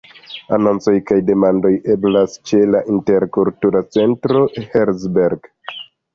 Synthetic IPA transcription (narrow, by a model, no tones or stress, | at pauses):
ano̞nt͡so̞jkajde̞mando̞je̞blast͡ʃe̞laʔinte̞ɾkultuɾat͡se̞ntɾo̞heɾzbeɾɡ